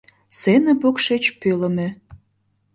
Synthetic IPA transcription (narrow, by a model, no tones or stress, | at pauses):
senə̆pokʃet͡ɕpøləme